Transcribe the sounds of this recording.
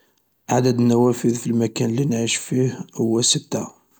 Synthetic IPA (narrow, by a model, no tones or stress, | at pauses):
ʔaʕd̪əd̪nːæwæfəðfilmækænlinʕiʃfihhʊwːæsət̪ːæ